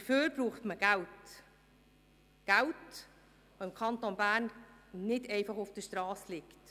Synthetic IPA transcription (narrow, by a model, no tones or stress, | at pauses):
d̥əføːɾbɾuːχtməɡ̥ælt | ɡ̥ælt | voɪmkʰɑntonbæːrnnɪdɛɪfɑχʊfd̥əʃtrɑːslɪkt